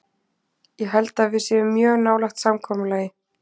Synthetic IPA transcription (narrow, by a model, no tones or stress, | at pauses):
jɛɦɛlt̪avɪðsjɛʏmːjœːɣnaːwlaxt̪samkʰɔːmʏlaːjɪ